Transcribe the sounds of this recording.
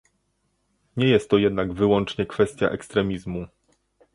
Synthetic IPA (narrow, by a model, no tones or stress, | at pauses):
ɲɛjɛst̪ːɔjɛd̪naɡvɘwɔnt͡ʂɲɛkfɛst̪ʲja̰ʔɛkst̪ɾɛmʲizmu